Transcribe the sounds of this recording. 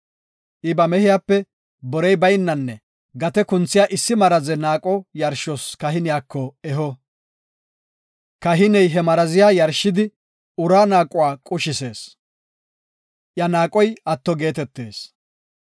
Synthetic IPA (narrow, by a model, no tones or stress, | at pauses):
ʔɪbɐmɛhɪjaːpːɛ | bɔɾɛjbɐjnːɐnːɛ | ɡɐt̪ɛkʊnt͡sːɪjaːʔɪsːɪmɐɾɐzɛnaːkʼɔjɐɾʃɔskɐɦɪnɪjaːkʰːɔɛɦɔ | kɐɦɪnɛjɦɛmɐɾɐzɪjaːjɐɾʃːɪd̪ɪ | ʊɾaːnaːkʼʊwaːkʼʊʃɪse̞ːs | ʔjɐnaːkʼɔjɐt̪ːɔɡe̞ːt̪ɛt̪ːe̞̰ːs